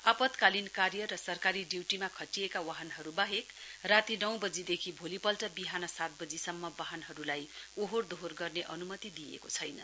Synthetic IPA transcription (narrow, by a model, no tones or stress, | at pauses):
apʌt̪kalinkaɾjʌɾʌsʌrkaɾiɖiwʈimakʰʌʈijekawaɦʌnɦʌɾubaɦekrat̪inʌw̃bʌd͡zid̪ekʰibʱolipʌlʈʌbiɦanʌsat̪̚bʌd͡zisʌmːʌbaɦʌnɦʌɾulajoɦord̪oɦorɡʌrneʔʌnumʌt̪id̪ijḛkot͡sʰʌjnʌ̰